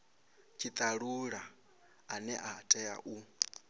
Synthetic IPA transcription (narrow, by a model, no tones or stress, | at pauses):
t͡ʃʰit̪ʼaɺuɺaː | nɛʔatʼɛa̰ʔu